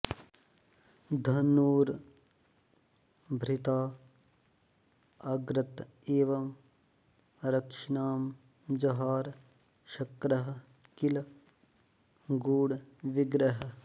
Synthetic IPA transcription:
d̪ʱɐnːuːɾ | bʱɾit̪aː | ɐɡɾɐt̪ | eːʋɐm | ɾɐkʂinaːm | d͡ʒɐɦaːɾ | ʃɐkɾɐɦɐ̆ | kil | ɡuːɽʋiɡɾɐɦɐ

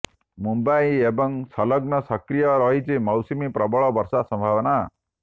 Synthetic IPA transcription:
mumbajebɔŋsʌlɔɡnɔsʌkɾijɔɾɔɦit͡ʃʰimɔwsimipɾɔbɔɭɔbɔɾsasɔmbʱaʋɔna

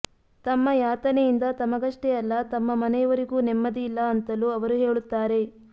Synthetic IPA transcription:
t̪ɐmːɐjaːt̪ɐnejind̪ɐt̪ɐmɐɡɐʂʈɛjɐlːɐt̪ɐmːɐmɐnɛjɐʋɐɾiɡuːnɛmːɐd̪iilːɐːnt̪ɐluɐʋɐɾuɦe̞ːɭut̪ːaːɾe̞

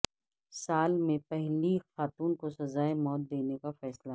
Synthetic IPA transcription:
saːlmẽpɛɦlixaːt̪uːnkosɐzaːemɔːt̪̚d̪eːnekafɛːsla

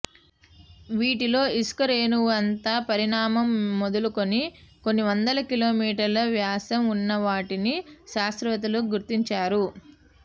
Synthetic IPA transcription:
ʋiːʈilo̞ːiskɐɾeːnuʋuɐnt̪aːpɐɾiɳaːmɐmːod̪uluko̞niko̞nːiʋɐnd̪ɐlɐkilo̞ːmiːʈɐɾlɐʋjaːsɐmunːɐʋaːʈiniʃaːst̪ɾʋɐt̪̬ɐluɡuɾt̪iɲt͡ʃaːɾu

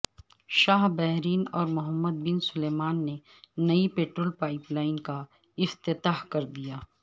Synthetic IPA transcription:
ʃaːɦbɛɦɾiːnɔːɾmʊɦəmːəd̪̚bɪnsʊleːmaːnːe | nɐipeːʈɾoːlpaːɪplaːɪnka | ɪft̪ɪt̪aːɦkɐɾd̪ijaː

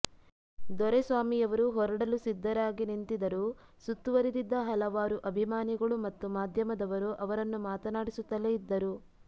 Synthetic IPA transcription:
d̪ɔɾesʋaːmijɐʋɐɾuɦɔɾɐɽɐlusid̪ʱːɐɾaːɡinint̪id̪ɐɾu | sut̪ːuʋɐɾid̪id̪ːɐɦɐlɐʋaːɾuʔɐbʱimaːniɡɐɭumɐt̪ːumaːd̪ʱjɐmɐd̪ɐʋɐɾuʔɐʋɐɾɐnːumaːt̪ɐnaːɽisut̪ːɐleid̪ːɐɾu

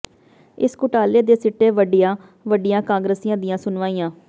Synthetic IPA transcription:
ɪskʊʈaːleːd̪eːsɪʈːeːʋəɖɪjãː | ʋəɖɪjãːkãːŋɡɾəsijãːd̪ɪjãːsʊnʋaːijãː

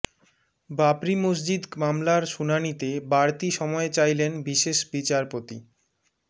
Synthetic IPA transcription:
bapɾimos̬d͡ʑid̪mamlaɾʃunanit̪ebaɾt̪iʃɔmɔet͡ɕajlenbiʃeʃbit͡ɕaɾpot̪i

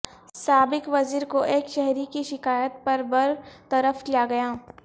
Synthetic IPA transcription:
saːbɪkʋɐziːɾkoʔeːkʃɛɦɾikiʃɪkaːjət̪̚pɐɾbɐɾt̪ɐɾəfkijaɡɐjaː

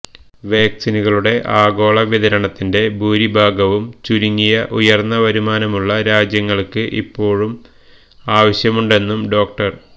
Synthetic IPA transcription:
ʋeːksinuɣɐɭuɽe̞ʔaːɡo̞ːɭɐʋiðɐɾɐɳɐt̪ːinde̞bʱuːɾibʱaːɡɐʋumt͡ɕuɾiŋːijɐʔujɐrnːɐʋɐɾumaːnɐmuɭːɐɾaːd͡ʑjɐŋːɐɭkɨʔḭpːo̞ːɻum | aːʋɐɕjɐmuɳɖe̞nːumɖo̞ːk̚ʈɐr

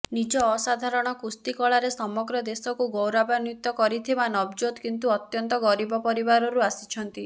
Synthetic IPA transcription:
nid͡ʒɔːsad̪ʱaɾɔɽ̃ɔkust̪ikɔɭaɾesɔmɔɡɾɔd̪esɔkuɡowɾabanjut̪ːɔkɔɾit̪ʰibanɔbd͡ʒod̪kint̪uɔt̪jɔnt̪ɔɡɔɾibɔpɔɾibaɾɔɾuasi̥t͡ʃʰɔnt̪i

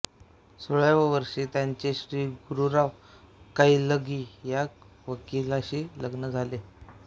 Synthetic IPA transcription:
soɭjaʋəʋəɾʂiːt̪jaɲt͡ɕeɕɾiːɡuɾuɾaʋ | kaiːləɡiːjak | ʋəkilaɕiːləɡnəd͡zʱale

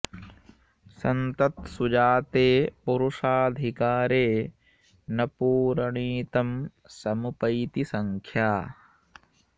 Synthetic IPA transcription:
sɐnt̪ɐt̪sud͡ʒaːt̪eːpuɾuʂaːd̪ʱikaːɾeː | nɐpuːɾɐɳiːt̪ɐm | sɐmupɐjt̪isɐŋkʰjaː

